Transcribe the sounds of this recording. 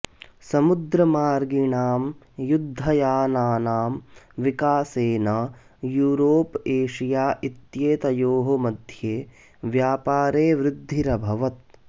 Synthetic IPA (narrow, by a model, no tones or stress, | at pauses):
sɐmud̪ɾɐmaːɾɡiɳaːm | jud̪ʱːɐjaːnaːnaːmʋikaːseːnɐ | juːɾoːpeːʂijaːʔit̪jeːt̪ɐjoːɦɐmɐd̪ʱjeː | ʋjaːpaːɾeːʋɾɪd̪ʱːiɾɐbʱɐʋɐt̪̚